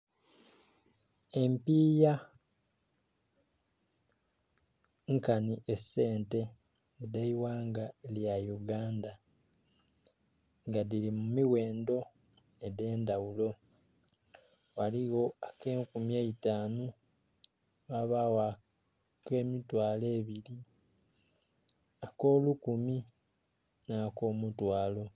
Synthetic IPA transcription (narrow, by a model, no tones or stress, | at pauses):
e̞mpiːja | ŋkaniʔese̞ːnte̞ | nedaiwaːŋɡaljajuɡaːnda | ŋɡadiɾimumiwe̞ːndo̞ | ede̞ːndawulo̞ | waliɣo̞ake̞ːŋkumjeitaːno | waβawa | ke̞ːmitwaːle̞ːβili | ako̞ːlukumi | nako̞ːmutwaːlo̞